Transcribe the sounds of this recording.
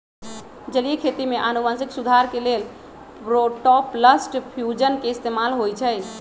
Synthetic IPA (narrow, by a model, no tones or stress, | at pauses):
d͡ʒəlijekʰet̪imeʔanumansiksud̪ʱaɾkelel | ɾoʈɔpləsʈpʰjud͡ʒənkeist̪emalɦojt͡ʃʰɛj